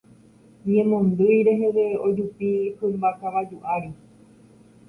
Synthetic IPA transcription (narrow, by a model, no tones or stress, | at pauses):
ɲẽ̞mõ̞nd̪ɨjɾe̞ɦe̞ʋe̞o̞d͡ʒupipɨmbakaʋad͡ʒuʔaɾi